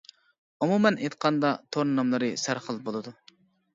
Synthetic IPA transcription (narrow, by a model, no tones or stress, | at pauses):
umumɛnʔet̪̚qʰɑnd̪ɑt̪ʰoɾnnɑmlˠɨɾɨsæɾχəlˠbolˠɨd̪u